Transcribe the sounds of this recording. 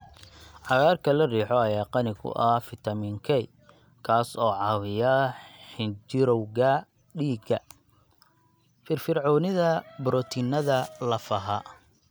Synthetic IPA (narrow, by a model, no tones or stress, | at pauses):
ʕɑɣaːrkʰɐlɐriːħɔɐjaːqɑnɪɣʊ̰ʔɐhfɪt̪ʰɐmiŋkʰɛj | kʰaːsɔːʕɑːwɪjɐħɪnd͡ʒɪɾɔwɣɐ | ɖiːɡɐ | fɪrfɪrʕɔːnɪðɐbɾɔt̪ʰinɐðɐlɐfɐɦɐ